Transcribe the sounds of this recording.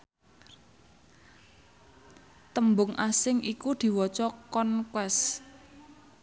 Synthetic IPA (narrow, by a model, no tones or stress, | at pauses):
t̪əmbʊŋasɪŋʔikud̪̥i̤wɔt͡ʃɔkɔnkwɛs